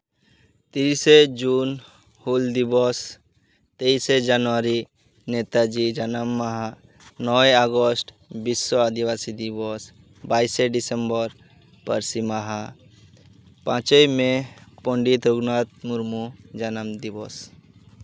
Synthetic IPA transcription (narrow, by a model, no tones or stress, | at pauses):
t̪ised͡ʒun | huld̪ibɔs | t̪eised͡ʒanʋaɾi | net̪ad͡ʒid͡ʒanəmːaɦa | nɔeaɡɔsʈ | bisːɔad̪iʋasid̪ibɔs | baːiseɖisembəɾ | pə̰ɾsimaɦa | pãt͡ʃəjmẽpɔ̃ɳɖit̪ɾuɡnat̪̚muɾmud͡ʒanəmd̪ibɔs